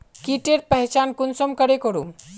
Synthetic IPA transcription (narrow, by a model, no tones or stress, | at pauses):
kiʈeɾ̚pəɦt͡ʃankunsɔmkəɽekoɾum